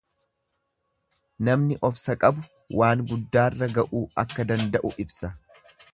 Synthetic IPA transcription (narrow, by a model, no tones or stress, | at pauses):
nɐmnɪʔɔfsɐkʼɐbʊ | wʔaːŋɡʊd̪ːaːrːɐɡɐʔuːɐ̰kːɐd̪ɐnd̪ɐʔʊʔɪbsɐ